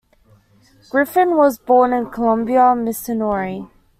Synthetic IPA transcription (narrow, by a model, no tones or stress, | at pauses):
ɡ̥ɹɪfɪ̃nwɒzbɔːnɪ̃nkʰəlʌ̃mbiəmɪsənɔːɹi